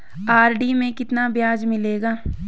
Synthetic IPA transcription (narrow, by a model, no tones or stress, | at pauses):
aːɾɖimẽkɪt̪nabjaːd͡ʒmɪleːɡaː